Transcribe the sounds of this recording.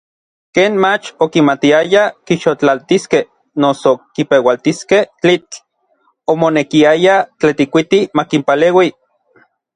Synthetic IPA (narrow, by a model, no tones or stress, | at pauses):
keːnmat͡ʃokimat̪iajakiʃot͡ɬalt̪iskeh | nosokipewalt̪iskeht͡ɬit͡ɬ | omonekiajat͡ɬet̪ikʷit̪imakimpaleːwi